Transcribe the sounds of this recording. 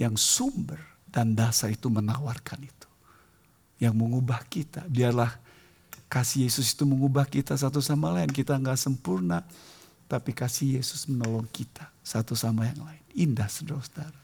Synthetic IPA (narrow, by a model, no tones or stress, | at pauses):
jaŋsumbər | dandasaɾit̪umənawarkanit̪u̥ | jaŋməŋubahkit̪abiarlah | kasihjesʊsi̥t̪uməŋubahkit̪as̬at̪̬usamalaɪnkit̪aŋɡaʔsəmpurna | t̪apikasihjesʊ̥smənolɔŋkit̪ḁsat̪usamajaŋlaɪnindahsədɔsdaɾa